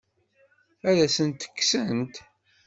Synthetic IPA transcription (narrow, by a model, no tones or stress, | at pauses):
æðæsənt̪ə̥kːsənt̪